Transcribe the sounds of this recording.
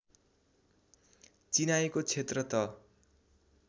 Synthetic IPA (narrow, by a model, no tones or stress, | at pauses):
t͡sinaekot͡sʰet̪rʌt̪ʌ